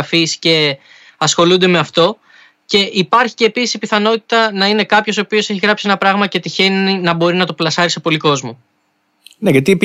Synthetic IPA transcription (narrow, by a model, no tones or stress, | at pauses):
fisce̞ | ɐsxo̞lund̪e̞me̞ɐft̪o̞ | ce̞ʔipɐɾçi̥ce̞ːpisisi̥piθɐno̞t̪i̥t̪ɐnɐine̞kɐpço̞s̬o̞ːpio̞se̞çiɣɾɐpsie̞nɐpɾɐɣmɐce̞t̪içe̞ninɐbo̞ɾinɐt̪o̞plɐsɐɾisepo̞liko̞zmo | ne̞ʝɐt̪ip